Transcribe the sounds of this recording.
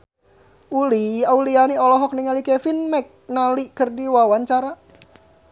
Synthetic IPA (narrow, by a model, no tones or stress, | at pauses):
uliaulianiɔlɔɦɔk̚niŋalikɛfinmɛk̚nalikərdiwawaɲt͡ʃaɾa